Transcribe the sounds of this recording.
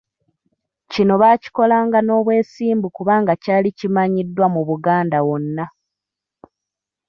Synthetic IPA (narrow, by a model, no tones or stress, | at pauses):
cino̞βaːci̥ko̞laːŋɡano̞ːβwe̞ːsiːmbukuβaːŋɡacaːlicimaɲidːwamuβuɡaːndawo̞nːa